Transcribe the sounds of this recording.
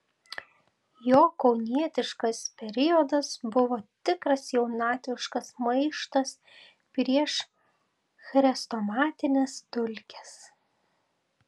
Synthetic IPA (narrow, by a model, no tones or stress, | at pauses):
joːkɒʊnʲiɛt̪ʲɪʃkɐspʲɛɾʲɪjɔd̪ɐsbʊʋoːt̪ʲɪkɾɐsjɛʊnɑːt̪ʲʋʲɪʃkɐsmɐɪʃt̪ɐs | pʲɾʲiɛʃ | xɾʲɛst̪ɔmɑːt̪ʲɪnʲɛst̪ʊlʲkʲɛs